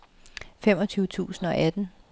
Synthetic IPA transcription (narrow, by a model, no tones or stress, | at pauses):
fem̰ɒ̽t͡sʰyːʊət͡sʰṵːsn̩ɒ̽ʔæd̥n̩